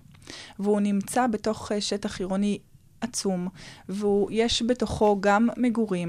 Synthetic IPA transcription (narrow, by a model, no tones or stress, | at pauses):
veunimt͡sabeto̞χʃetaχiʁoni | ʔat͡sumveujeʃbe̞to̞χo̞ɡamːeɡuʁim